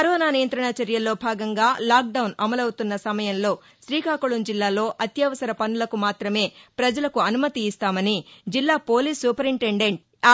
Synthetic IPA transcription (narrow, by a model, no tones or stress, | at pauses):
ɐɾɔːnaːnijɐnt̪ɾɐɳɐt͡ʃɐɾjɐlo̞ːbʱaːɡɐŋɡaːlaːk̚ɖɐwnɐmɐlɐwut̪unːɐsɐmɐjɐnlo̞ː | ʃɾiːkaːkuɭund͡ʒilːaːlo̞ːʔɐt̪jɐʋɐsɐɾɐpɐnːulɐkumaːt̪ɾɐme̞ːpɾɐd͡ʒɐlɐkuɐnumɐt̪iːst̪aːmɐnid͡ʒilːaːpo̞ːliːsːuːpɐɾimʈe̞ɳɖe̞ɳʈ̚ː